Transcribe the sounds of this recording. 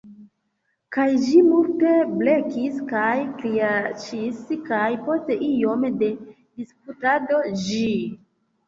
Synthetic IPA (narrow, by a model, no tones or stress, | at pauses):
kajd͡ʒimulteble̞kiskajkɾiat͡ʃiskajpo̞ste̞ʔijo̞mde̞ | disp̚utado̞d͡ʒi